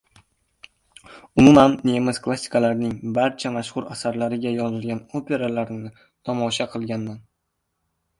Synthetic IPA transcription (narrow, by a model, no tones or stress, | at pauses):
ʊmʊmanːemɪzkʰlˠasːɪ̥kʰalaɾnɪŋbaɾt͡ʃʰamaʃhʊɾasaɾlaɾɪɡʲajɒzɪlɡʲanopʰe̞ɾalaɾɪnɪ | t̪ʰɒmɒʃaqʰɨlˠɡʲanːan